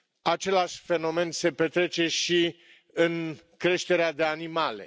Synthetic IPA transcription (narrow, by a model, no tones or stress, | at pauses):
at͡ʃe̞laʃʲfe̞no̞me̞nse̞pe̞t̪ɾe̞t͡ʃe̞ʃi | ɨŋ | kɾe̞ʃt̪e̞ɾead̪e̞animale̞̰